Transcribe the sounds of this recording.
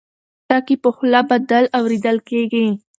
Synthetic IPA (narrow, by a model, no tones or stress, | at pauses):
ɑkipəxlabad̪alawɾed̪əlkeɡi